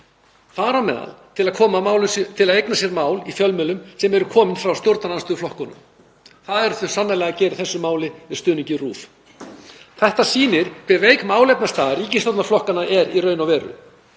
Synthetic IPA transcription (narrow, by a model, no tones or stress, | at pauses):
faːɾamɛ̰ða̰lt̪ʰɪlaðkʰɔːmamawlʏst̪ʰɪlaðejknasjɛɾmaːwlifjœlmɛlʏmsɛmɛɾʏkʰɔːmɪnfɾawst̪jowɾt̪ananst̪ʏflɔhkɔnʏ̰m | θaðɛɾθœ̥sanːalɛɣacɛːɾɪ̥θɛsːʏmaːwlɪɛɾ̥st̪ʏːnɪɲcɪrṵːf | θɛht̪asiːnɪɾ̥kʰvɛveːjkmaːwlɛpnast̪aːðɪɾiːcɪnst̪ɔt̪nɾflɔhkanaɛɾirœːɥnawvɛːɾʏ̰